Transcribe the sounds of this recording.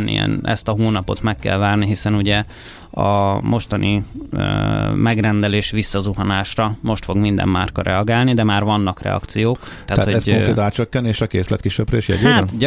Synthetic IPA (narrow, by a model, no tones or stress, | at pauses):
nḭɛ̰nɛ̰st̪ɒɦoːnɒpo̞t̪mɛkːɛ̰lvaːrniɦisɛnuɟɛ | ɒ̰mʔo̞ʃt̪ɒnʔi | mɛɡrɛnd̪ɛleːʃʋisːɒzuɦɒnaːʃrɒmo̞ʃt̪fo̞ɡmind̪ɛ̰mːa̰ːrkɒɾʔɛ̰ɒɡaːlnid̪ɛmaːrvɒnːɒkrɛ̰ɒ̰kt̪sijoːkt̪ɛat̪atoɛoŋkɾeːt̪aːt͡ʃøkːɛneːʃɒkeːslɛ̰t̪kiʃøbɾɛiʃjɛ̰ea